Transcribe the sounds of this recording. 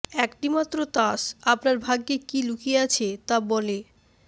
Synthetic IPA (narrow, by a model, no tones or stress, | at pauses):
ɛkʈimat̪ːɾot̪aʃapnaɾbʱaɡːekilukʰieat͡ɕʰet̪abɔle